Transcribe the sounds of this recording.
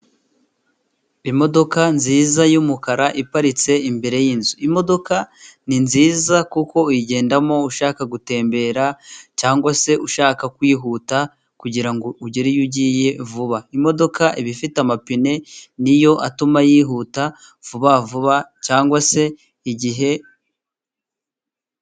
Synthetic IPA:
imo̞do̞kanziːzajumukaɾaʔipaɾit͡se̞imbe̞ɾe̞jinzuimo̞do̞kaninziːzakuko̞jiɟe̞ːndamo̞uʃaːkaɡute̞ːmbe̞ɾacaːŋɡwase̞uʃaːkakwiːɦuta | kuɟiɾaŋɡo̞uɟiɾijuɟije̞vuβaimo̞do̞kaʔiβifitamapine̞nijo̞ʔatumajiːɦuta | v̥uβavuβacaːŋɡwase̞ | iɟiɦe̞

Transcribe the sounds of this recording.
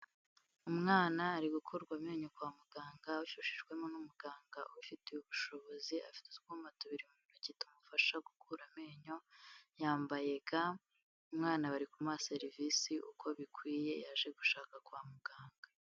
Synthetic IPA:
umŋaːnaːɾiɡukʰoɾɡwameːɲo̞kwaːmuɡaːŋɡauʃuʃiʒɡwe̞mo̞numuɡaːŋɡaufiteuβuʃoβo̞zia̰fi̥tutɡumatuβiɾimuuinacitumufaʃaɡukʰuɾameːɲo̞jaːmbaje̞ɡa | umŋaːnaβaɾikumase̞ɾivisiʔṵkʰo̞βikwiːje̞jaʒe̞ɡuʃaːkakwamuɡaːŋɡa

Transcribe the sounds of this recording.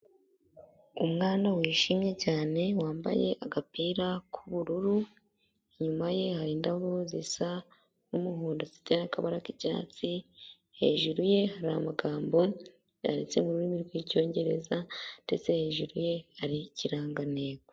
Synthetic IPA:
umŋaːndawiːʃimɲe̞caːne̞waːmba̰je̞ʔaɡapiːɾakʰuβuɾuɾu | iɲumaje̞haɾiːndaβozḭsa | numuɦuːndazi̥tenakaβaɾakiɟa̰ːt͡si | he̞̰ːʒuɾuje̞haɾa̰maɡaːmbo̞ | ja̰ɾḛt͡se̞muɾuɾimiɾɡwico̞ːɲɟe̞ɾḛzade̞t͡se̞he̞ːʒuɾuje̞haɾiciɾaːŋɡaneːɡe

